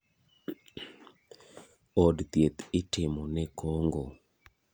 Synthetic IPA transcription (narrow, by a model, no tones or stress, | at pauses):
ɔdt̪jet̪ɪtɪmɔnɛkoŋɡo